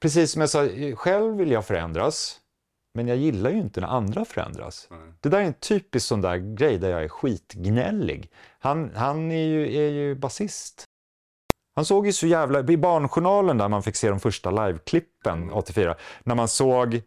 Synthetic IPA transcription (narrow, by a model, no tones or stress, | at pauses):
pʰɾɛs̬iːsːɔmjasɑːɧɛlvvːɪlːjɑfœɾɛ̰nd̪ɾas | mɛnjɑːjɪlːajʏɪnt̪ənæ̰ɾand̪ɾafœɾɛ̰nd̪ɾa̰sd̪̥ɛd̪æɾæɛnt̪ʰyːpɪsksɔnd̪æ̰ːɾɡɾɛjd̪æɾjɑ̰ːɡæɾɧiːt̪ɡnɛ̰lːɪ̰ɡhanhanæɾjɵæjɵbasɪst̪ | hansoːɡjɵsɔjæːvlaɪbɑːɳɧʊɳɑːlənd̪æɾmanfɪkːseːd̪ɔmfœʂʈalajvkʰlɪpːənɔt̪ːɪfyːɾa̰næɾmansoːɡ